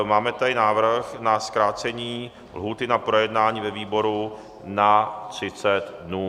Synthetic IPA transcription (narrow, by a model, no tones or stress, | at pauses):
maːmɛt̪aɪnaːvɾ̩xnaskɾaːt͡sɛɲiː | lɦuːt̪ɪnapɾojɛdnaːɲiːvɛviːbo̞ɾu | nat̪r̝̥ɪt͡sɛt̪dnuː